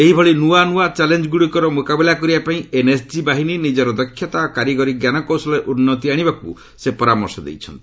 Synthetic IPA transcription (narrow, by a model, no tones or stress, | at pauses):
eɦibʱɔɭinuanuat͡ʃalend͡ʒɔɡuɽikɔɾɔmokabilakɔɾibapaĩenesd͡ʒibaɦininid͡ʒɔɾɔd̪ɔkʰːjɔt̪akaɾiɡɔɾiɡjanɔkɔwsɔlɔeʔunːɔt̪̬iaɽ̃ibakṵ | sepɔɾamɔɾsɔd̪ḛjt͡ʃʰɔnt̪i